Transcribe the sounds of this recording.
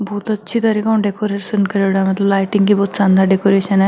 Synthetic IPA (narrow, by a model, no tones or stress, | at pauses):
bɔːt̪ɐtːʃʰit̪ɐɾiːkaũɳɖekoɾeʃənkəɾeɽamɐt̪ləblaːjʈɪ̃ŋɡkibɔːt̪sãːnd̪ʱaɖekoɾeʃənɛ